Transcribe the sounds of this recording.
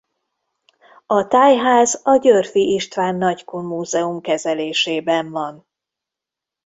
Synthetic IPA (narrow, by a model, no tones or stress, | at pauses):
ɒt̪aːjɦaːzɒɟørfiʔiʃt̪ʋaːnːɒɟkumuːzɛumkɛzɛleːʃeːbɛɱvɒn